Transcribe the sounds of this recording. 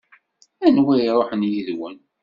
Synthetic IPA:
ænwæjɾˤoħənjiðwən

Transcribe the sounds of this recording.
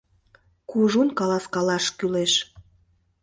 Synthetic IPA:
kuʒunkɑlɑskɑlɑʃkyleʃ

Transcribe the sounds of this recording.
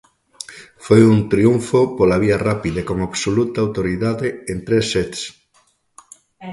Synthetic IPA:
fojunt̪ɾiuɱfopolaβ̞iɐrapiðɐkoŋaβsolut̪ɐaːwt̪oɾiðaðɪent̪ɾesːet̪s

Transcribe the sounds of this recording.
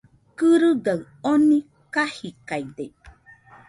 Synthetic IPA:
kɯɾɯɡaɨ | onĩ | kahikaide

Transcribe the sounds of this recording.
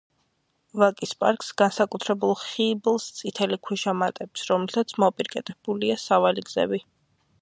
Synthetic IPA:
vakʼispʼa̰ɾkʼsɡ̥ansakʼut̪ʰɾɛbulˠχiblˠst̪sʼit̪ʰɛlikʰwiʃamat̪ʼɛpsɾɔmɛlsʰat̪sʰmɔpʼiɾkʼɛt̪ʼɛb̥uliasavaliɡz̥ɛ̰bi

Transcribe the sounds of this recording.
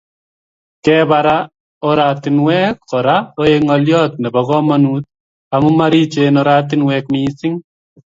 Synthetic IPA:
kɛbaɾa | ɔɾaːt̪ɪnwɛːkːɔɾaoeŋɔljɔːt̪̚nɛbɔɣɔmɐnuːt̪̚ | amumaɾit͡ʃeːnɔɾaːt̪̬ɪnwɛːkmiːsɪŋ

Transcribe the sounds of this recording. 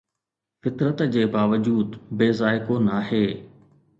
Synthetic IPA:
fɪt̪ɾət̪d͡ʑeːbaːʋəd͡ʑuːd̪beːzaːɪkonaɦeː

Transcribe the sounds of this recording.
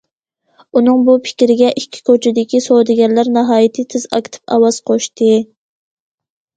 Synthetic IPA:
unɨŋbupʰɪ̥kʲɾɪɡʲɛʔikʲʰːi̥kʰot͡ʃʰɪd̪ɪkʲisod̪ɪɡʲɛnlæɾnɑɦɑːjit̪ʰɨt̪ʰɪz̥ɑ̰kʲʰt̪ʰɨ̥pɑ̰wɑz̥qʰoʃt̪ɨ

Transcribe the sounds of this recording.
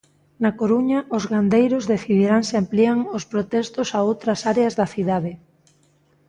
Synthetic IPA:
nakoɾuɲɐʔʊzɣand̪ejɾozðeθiðiɾaŋsɪampliaŋospɾot̪ɛst̪ʊsaowt̪ɾɐsaɾeɐzðɐθiðaðɪ

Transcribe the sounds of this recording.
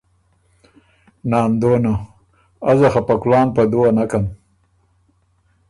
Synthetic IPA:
nɑːnd̪oːna | azaxapaklɑːnpad̪owanakam

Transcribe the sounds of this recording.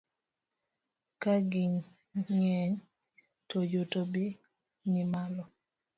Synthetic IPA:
kaɡiɲ | ŋɛɲ | tojotobi | nimalɔ

